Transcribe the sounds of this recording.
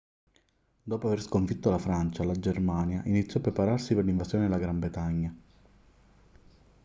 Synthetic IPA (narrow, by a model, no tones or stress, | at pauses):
d̪ɔːpoaverskoɱfit̪ːolafɾant͡ʃalad͡ʒermaːnjaʔinit̪sːjɔapːɾepaɾarsiperliɱvasjoːned̪elaɡɾambɾet̪aɲːa